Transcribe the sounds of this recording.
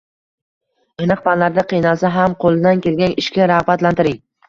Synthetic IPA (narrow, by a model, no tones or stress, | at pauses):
enɨq̚pʰanlaɾd̪ɪqʰɨjnasɪɦamqʰolˠɪd̪ankʲʰe̞lɡʲanɪʃkʲaɾaʁbat̪lant̪ɪɾɪŋ